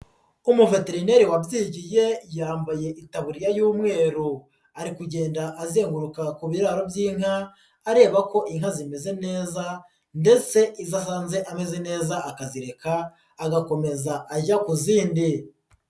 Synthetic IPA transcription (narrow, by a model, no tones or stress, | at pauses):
umuve̞te̞ɾine̞ɾiwabɟiːɟije̞jaːmbaje̞ʔitaβuɾijajuːmŋe̞ːɾu | aɾikuɟe̞ːndaʔːzeːŋɡuɾukakuβiɾaːɾo̞bjiːŋ̥haː | ɾe̞ːβako̞ʔiŋ̥hazime̞ze̞ne̞ːza | nde̞t͡se̞ʔizas̬aːnze̞ʔame̞ze̞ne̞ːzaʔakaziɾe̞kaː | ɡako̞me̞zaʔaʒakuziːndi